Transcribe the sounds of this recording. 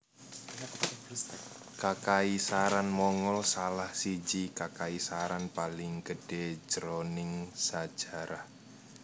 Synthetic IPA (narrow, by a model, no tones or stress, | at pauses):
kakaisaɾanmɔŋɔlsalahsid͡ʒikakaisaɾanpalɪŋɡəɖ̥e̥d͡ʒəɾonɪŋsad̥ʒ̥a̤ɾah